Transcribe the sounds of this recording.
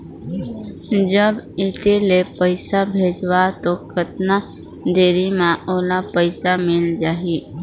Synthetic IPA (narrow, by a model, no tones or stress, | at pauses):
d͡ʒəbɪt̪elepəɪsabʱeːd͡ʒwat̪okʰət̪na | d̪eːɾimãʔoːlapəɪsamɪld͡ʒaːɦi